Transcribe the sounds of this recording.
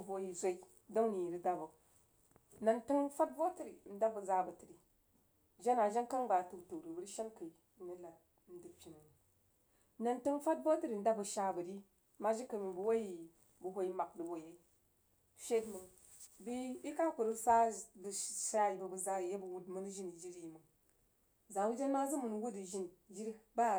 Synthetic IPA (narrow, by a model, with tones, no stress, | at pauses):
vo˨˦ji˨zʷa˦i˦ | do˦ŋni˨ji˨ɾi˦ɡa˨bu˨k̚ | na˨ntɨ˦ŋfa˦t̚vo˦ti˨ɾi˨n̩˦da˦bə˨za˦bə˨ti˨ɾi˨ | d͡ʒa˦na˨ʒa˦nka˦ŋba˨tu˨ktu˨ɾi˨bu˦ɾi˦ʃa˦nka˨i˨˦ni˦la˨˦ | n̩˦di˨pʲi˨nu˨n˨ | na˨ntɨ˦ŋfa˦t̚vo˦ti˦ɾi˨n̩˦da˦bə˨ʃa˦bə˨ɾi˦ | ma˦d͡ʒi˦kə˨mi˨bu˨wa˦ji˨ | bu˨ɦʷo˦i˦ma˨k̚du˨bo˨je˦i˦ | ʃʲe˦dmə˨ | bi˦i˦ka˦ku˨ɾi˦sa˦bə˨ʃa˦i˨bə˨bə˨za˦˨je˦bə˨wu˦dmu˦n˦ʒi˦n˨d͡ʒi˦ɾi˨mə˨ | za˨˦d͡ʒa˦nma˦zu˦mu˨n˨wu˦di˨ʒi˦n˨d͡ʒi˦ɾba˦